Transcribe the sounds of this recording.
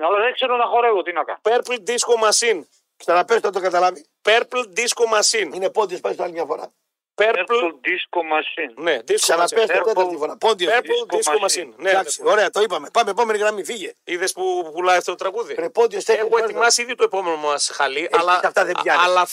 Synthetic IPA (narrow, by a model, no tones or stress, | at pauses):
ɐlɐðekseɾonɐxoɾɐeot̪inɐkɐ̰peɾpld̪iskomɐsin | ksɐnɐpest̪ot̪oɡɐt̪ɐlɐvi | peɾpld̪iskomɐsininepond̪iospɐst̪ɐlimɲɐfo̞ɾɐ̰ | peɾɾpld̪iskomɐsinned̪issɐɐesɐɐd̪ifoɾɐpond̪ioeɾd̪isomɐsinned̪ɐksoɾeɐt̪oipɐme̞pɐmeepo̞me̞niɣɾɐmifiʝeiðespupulɐjɐft̪ot̪ot̪ɾɐɣuðipɾepod̪ioseeoeimɐsiðjit̪oepo̞menomɐsxɐliʔɐlɐɐft̪ɐðebʝɐnɐlɐ